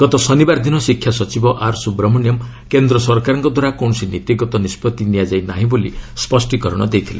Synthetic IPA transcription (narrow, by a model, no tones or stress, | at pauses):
ɡ̥ɔt̪ɔsɔnibaɾd̪ʱinɔsikʰjasɔt͡ʃibɔʔaɾsubɾɔmɔnijɔm | kend̪ɾɔsɔɾkaɾɔŋkɔd̪ʱwaɾakɔɳ̃ɔsinit̪iɡɔt̪ɔnispɔt̪ːinijad͡ʒajnaɦĩbolispɔsʈikɔɾɔɽ̃ɔ̰d̪ejt̪ʰile